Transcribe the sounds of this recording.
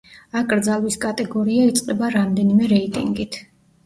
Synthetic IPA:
akʼɾd̪zalˠwiskʼat̪ʼɛɡɔɾiait̪sʼqʼɛbaɾamd̪ɛnimɛɾɛit̪ʼḭŋɡit̪ʰ

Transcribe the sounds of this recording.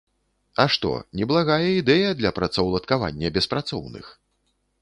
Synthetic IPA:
ɐʂt̪ɔ̰nʲɛblˠaɣajɐid̪ɛjɐd̪lʲɐpɾɐt̪sɐwlˠɐt̪kava̰nʲːɐbʲɛspɾat̪sɔwnɨ̰x

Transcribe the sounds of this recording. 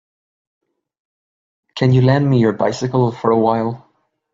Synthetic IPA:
kʰɨ̃njɨlæ̃nd̚mijɔ˞baɪsɪkl̩ˠfə˞əwaɪlˠ

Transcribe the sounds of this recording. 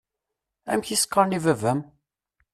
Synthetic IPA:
æ̰mçiskːəɾnivævæm

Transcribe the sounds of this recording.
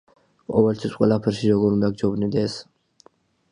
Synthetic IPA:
kʼɔvɛlt̪ʰwisqʼwɛlˠapʰɛɾʃiɾɔɡɔɾund̪aɡ̚d͡ʒɔbnid̪ɛs

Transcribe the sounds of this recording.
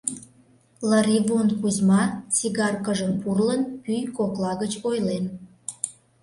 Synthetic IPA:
lɑɾiβonkuzmɑt͡siɣɑrkəʒəmpurlənpyjkoklɑɣət͡ɕojlen

